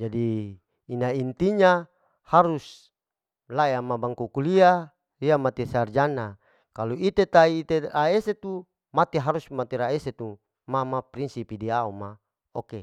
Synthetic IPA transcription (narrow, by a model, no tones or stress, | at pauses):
d͡ʒadiː | naint̪iɲa | haɾus | lajamabaŋkukulia | iamat̪esard͡ʒana | kaluit̪et̪aiːt̪eaeset̪u | mat̪eɦaɾusmat̪eɾaeset̪u | mamapɾinsipidiauma | oke